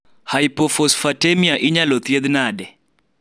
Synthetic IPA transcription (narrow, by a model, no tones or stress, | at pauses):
hajpɔfɔsfatemiaʔɪɲalɔt̪jed̪nadɛ